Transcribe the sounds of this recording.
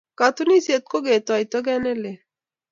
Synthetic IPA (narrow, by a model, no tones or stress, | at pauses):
kat̪uniset̪̚koɡɛt̪ɔajt̪ɔɡɛnɛle